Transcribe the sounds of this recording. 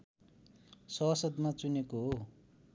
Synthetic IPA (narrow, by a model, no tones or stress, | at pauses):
sʌsʌd̪mat͡sunekoɦo